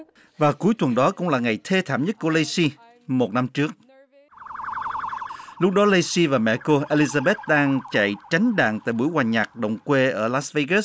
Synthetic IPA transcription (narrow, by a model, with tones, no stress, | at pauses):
vaː˨˩ku˨˦əjt̪wə˨˩nɗɔ˨˦kʊ̰˧˥ŋ͡mlaː˨˩ŋa˨˩jt̪ʰe˧t̪ʰa̰ː˧˨mɲə˦˥t̚ku˧˩ələ˧jsi˧ | mo˨˩t̚na˧mt͡ɕɨ˦˥ək̚ | lʊ˦˥k͡p̚ɗɔ˨˦le˧jsi˧vaː˨˩mɛ̰˧˨ko˧ʔe˧li˧zaː˧ɓe˦˥t̚ɗaː˧ŋt͡ɕa̰˧˨jt͡ɕa˨˦jŋ̟ɗa̰ː˧˨ŋt̪a̰ː˧˨jɓu˧˩jwaː˨˩ɲaː˨˩k̚ɗə˨˩wŋ͡mkwe˧ʔəː˧˩laː˦˥sve˧ɣə˦˥